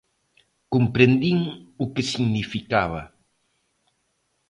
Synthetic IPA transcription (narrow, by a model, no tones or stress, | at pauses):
kompɾend̪iŋukesiɣnifikaβ̞ɐ̰